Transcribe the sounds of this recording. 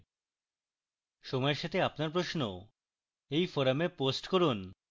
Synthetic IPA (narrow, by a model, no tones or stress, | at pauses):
ʃɔmɔeɾʃat̪ʰeapnaɾpɾoʃno | ejfɔɾameposʈkoɾun